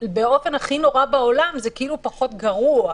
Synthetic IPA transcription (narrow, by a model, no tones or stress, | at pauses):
beo̞fe̞naχino̞ʁabao̞lamzekiilupaχo̞tɡaʁua